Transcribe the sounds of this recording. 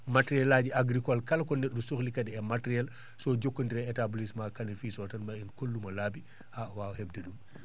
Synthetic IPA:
matɾiɛlaɟiaɡɾikɔlkɐlɐkɔnɛɗːusuxlikɐdɛɛmatɾiɛl | sɔɟokːɔndiɾɛɛtabulismaːkɐnɛfiːsɔtɐnmainkolːumɐlaːbi | hawaːhɛb̚dɐdum

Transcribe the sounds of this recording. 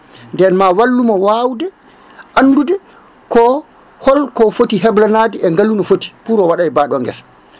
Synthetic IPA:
ndɛnmawalːumɔwawdɛ | ʔanːdudɛ | kɔ | hɔlkɔfotiɦɛblanaːdiɛŋɡalunɔfoti̥puɾɔwaɗajbaɗɔŋɡɛ̰s

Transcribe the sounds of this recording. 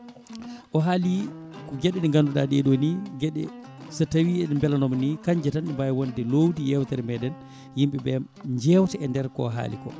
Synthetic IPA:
ʔɔɦalikɔɡɛɗɛɗɛŋɡanduɗaɗɛɗoniɡɛɗɛ̰ | satawiɛnɛmbɛlanɔmnikaɲd͡ʒɛtanimbajwondɛlowdijɛwtaɾɛmɛɗɛn | jimɓɛbɛm | ɲd͡ʒɛwtɛɛndɛɾkɔ̰ɦa̰ːlḭkɔ̰

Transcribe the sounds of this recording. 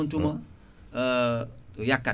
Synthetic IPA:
ntumã | jaka

